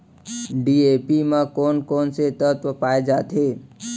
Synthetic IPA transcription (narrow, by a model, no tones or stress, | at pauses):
ɖiepimãkonkɔnset̪ət̪ʋəpaːed͡ʒat̪ɦe